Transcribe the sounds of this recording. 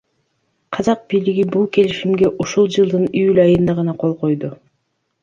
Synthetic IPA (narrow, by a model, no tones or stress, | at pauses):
qʰɑzɑq̚biːliɡibulˠke̞liʃimɡe̞ʔuʃulˠd͡ʒɯlˠd̪ɯnyylɑjɯnd̪ɑʁɑnɑqʰo̞lˠqo̞jd̪u